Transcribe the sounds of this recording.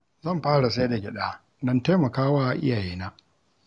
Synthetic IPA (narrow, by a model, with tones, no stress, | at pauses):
zɐ˦˨mɸaː˦ɽa˨s̬a˦da˨ɡʲɪ˨ɗa˦ | dɔ˦nta˦jmɐ˨kaː˦waː˦˨ʔɪ̰˦jaː˨jiː˦naː˦